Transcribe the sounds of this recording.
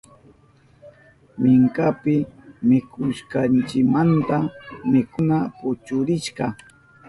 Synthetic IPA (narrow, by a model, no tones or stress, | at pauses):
mɪŋkapɪmɪkʰʊʃkɑnt͡ʃɪkmant̪amɪkʊnapʊt͡ʃʊɾɪʃɢɑ